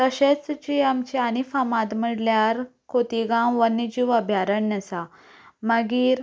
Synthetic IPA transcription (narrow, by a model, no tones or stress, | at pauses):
t̪əɕet͡st͡ɕiamt͡ɕianifamãt̪məɽljaɾkot̪iɡãwʋənid͡ʑiʋəbʱjaɾəɳːasa | məɡiːɾ